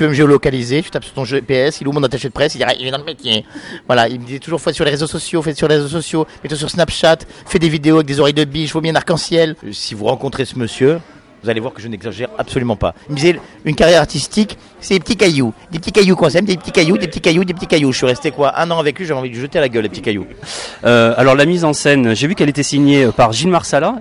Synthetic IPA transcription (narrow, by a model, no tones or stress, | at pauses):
tyvøməʒeɔlɔkalizet̪y̥t̪apsyʁt̪ɔ̃ʒepeɛsilumɔ̃nat̪aʃed̪əpχɛsid̪iʁɛ̰ʔḭlɛd̪ɑ̃ləmet̪jɛ̃vwalailməd̪izɛt̪uʒuʁfwasyʁleʁezosɔsjofɛt̪syʁleʁezosɔsjomɛt̪wɔ̃s̬yʁsnapʃat̪fɛd̪evid̪eoaɛk̚d̪ezɔʁɛjd̪əbiʒvwabjɛ̃naʁkɑ̃sjɛlsivuʁɑ̃kɔ̃t̪χesəməsjø | vuzalevwaʁkəʒənɛɡzaʒɛʁapsɔlymɑ̃pa̰ilməd̪izɛynkaʁjɛʁaʁt̪ist̪ik | sɛd̪epə̥t̪ikajud̪ep̚ət̪ikajukwɛ̃sɛmd̪epət̪ikajud̪epət̪ikajud̪epət̪ikajuʒəsɥiʁɛst̪ekwaʔɛ̃nɑ̃avɛkliʒavɛɑ̃vid̪əʒət̪ealaɡʲœlepət̪ikajṵøalɔʁlamizɑ̃sɛnʒevykɛlet̪ɛsiɲepaʁʒilmaʁsala